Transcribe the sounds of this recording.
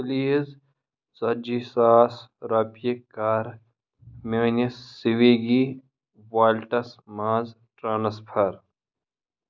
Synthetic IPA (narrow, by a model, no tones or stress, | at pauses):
liz | zɐd͡ʒisaːsɾɐpjekaːɾ | meːnɐsːiʋeɡi | waːlʈɐsmaːz | ʈɾaːnɐspʰɐɾ